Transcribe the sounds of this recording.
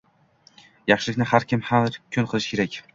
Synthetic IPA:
jɑχʃɪlɪkʲnɪhaɾkʲɪmhaɾkʲʰʊnqʰɨlˠɪʃkʰʲeɾakʲ

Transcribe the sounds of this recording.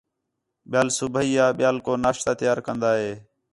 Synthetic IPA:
ɓɪjaːlsʊbʱəiːaːɓɪjaːlkoːnaːʃt̪aːt̪ɪjaːɾkənd̪aːɦeː

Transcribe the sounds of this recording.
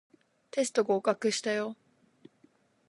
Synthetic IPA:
t̪e̞s̬ɨ̥t̪o̞ɡaːkakɯ̟ɕi̥t̪ajo

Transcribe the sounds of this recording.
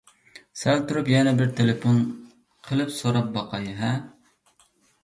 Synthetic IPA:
sælt̪uɾupjɛnɛbɪɾt̪ʰelepon | qʰəlˠɨpsoɾɑp̚bɑqɑjɦɛ

